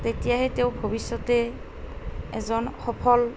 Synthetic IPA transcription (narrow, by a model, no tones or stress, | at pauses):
tetijaɦɛtewbʱobisːɔtɛ | ɛ̰zɔnxɔpʰɔl